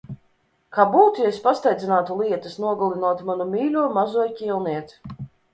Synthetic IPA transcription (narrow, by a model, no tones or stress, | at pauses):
kaːbuːt̪ujaesʲpast̪ajd̪zʲinaːt̪ulˠiɛt̪ɐsnuɔɡulˠinuɔt̪manumʲiːlʲuɔmazuɔjcʲilˠniɛt̪